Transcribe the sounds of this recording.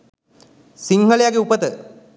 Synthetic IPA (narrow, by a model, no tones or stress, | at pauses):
siŋɦəɭejaɡeupət̪ə